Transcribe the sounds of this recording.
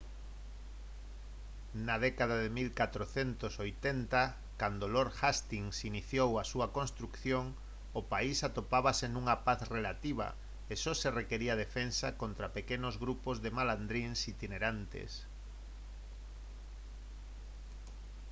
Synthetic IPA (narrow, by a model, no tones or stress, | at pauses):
nað̞ɛkaðaðemilkat̪ɾoθent̪osojt̪ent̪a | kand̪oloɾxast̪iŋsiniθjowasuakonst̪ɾukθjoŋ | opaisat̪opaβasenũŋapaθrelat̪iβ̞a̰ | esɔserekeɾiað̞efensakont̪ɾapekenozɣɾupozðemaland̪ɾinsit̪ineɾant̪ḛs